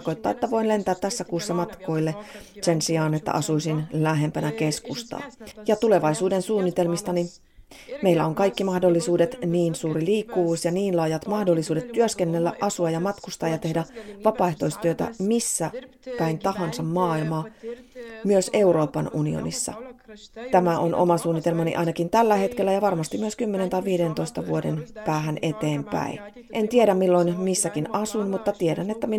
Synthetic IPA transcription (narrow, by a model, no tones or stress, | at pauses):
ko̞jt̪ːɑ̰ːet̪ːæʋo̞inle̞nt̪æːt̪t̪ːæsːækuːsːɑmɑt̪ko̞ilːese̞nsiɑːnet̪ːæ̰ʔɑsuisinlæɦe̞mpænæke̞skust̪ɑ̰ːjɑt̪ule̞ʋɑisuːde̞nsuːnːit̪e̞lmist̪ɑni | meilːæoŋkɑikːimɑhdo̞lːisuːdet̪niːnsuːɾiliːkːuʋuːsjɑniːnlɑːjɑt̪mɑhdolːisuːdet̪t̪ːyøskenːelːæ̰ʔɑsuɑjɑmɑt̪kust̪ɑːjɑt̪e̞hdæʋɑpɑːeht̪o̞ist̪yøt̪æ̰misːækæint̪ɑhɑnsɑmmɑːilmɑː | myøse̞uɾo̞ːpɑnunḭo̰nḭsːɑ̰t̪æmæʔonʔo̞̰mɑsuːnːit̪e̞lmɑnḭʔɑ̰jnɑkint̪ælːæhe̞t̪ke̞lːæjɑʋɑrmɑst̪imyøskymːene̞nt̪ɑiʋʋiːdent̪o̞ist̪ɑʋuodenpæːɦænʔe̞t̪e̞ːmpæ̰i | ʔe̞nt̪ieɾæmmilːo̞inmisːækinɑsunmut̪ːɑt̪ieɾænːet̪ːæmi